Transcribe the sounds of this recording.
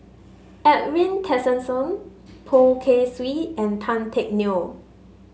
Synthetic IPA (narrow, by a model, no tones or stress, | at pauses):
ɛt̚ɹĩntʰɛsə̃nsɔ̃n | pʰokʰeswiɛ̃ntʰãntʰɛk̚no